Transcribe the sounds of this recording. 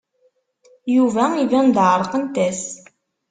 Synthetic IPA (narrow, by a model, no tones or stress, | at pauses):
juvæivænd̪ʕɾˤqənt̪æs